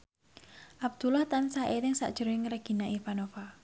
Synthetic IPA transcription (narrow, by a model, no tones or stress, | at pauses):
ʔab̚d̪̥ulaht̪ansaʔet̪ɪŋsa̰ʔd̥ʒ̥əɾɪŋɾəɡ̥i̤naʔifanofa